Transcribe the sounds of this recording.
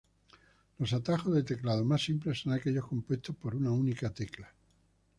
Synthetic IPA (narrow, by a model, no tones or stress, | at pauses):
lo̞s̬at̪axo̞zðe̞t̪e̞klaðomasimplesːonake̞ʎo̞hko̞mpwest̪ohpo̞ɾunaunikat̪e̞kla